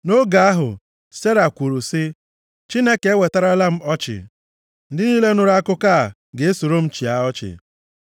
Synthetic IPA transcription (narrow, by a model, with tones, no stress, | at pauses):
no˦ɡa˨a˦ɦʊ̰˨ | se˦ɾa˨kʷu˨ɾu˨sɪ˦ | t͡ʃi˦ne˦ke˨˦we˨ta˦ɾa˦la˦m̩˦ɔ˦t͡ʃɪ̰˨ | n̩˦dɪ˦niː˦le˦nʊ˨ɾa˦kʊ˦ka˦˨ | ɡe˨e˦so˨ɾo˦m̩˦t͡ʃi˨a˨ɔ˦t͡ʃɪ̰˨